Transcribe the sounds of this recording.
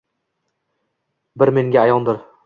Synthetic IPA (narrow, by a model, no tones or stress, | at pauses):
bɪɾme̞ŋɡʲaːjɒnd̪ɪɾ